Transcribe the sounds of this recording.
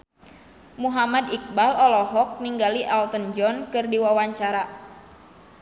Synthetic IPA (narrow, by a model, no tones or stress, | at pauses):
muɦamadik̚balɔlɔɦɔk̚niŋɡaliʔalt̪ənd͡ʒɔnkɨrdiwawaɲt͡ʃaɾa